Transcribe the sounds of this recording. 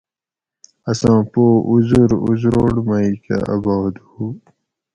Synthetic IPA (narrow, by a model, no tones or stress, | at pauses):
ɐsãːpoːuzuɾṵzɾoːɽmaika̰ɐ̰baːd̪hu